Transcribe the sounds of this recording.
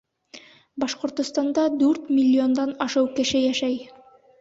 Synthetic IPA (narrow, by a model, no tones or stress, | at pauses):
bɑʃqŏɾt̪ŏst̪ɑnd̪ɑd̪ʉɾt̪mʲilʲːio̞nd̪ɑnɑʃɤwkɘ̆ʃɘjæʃæj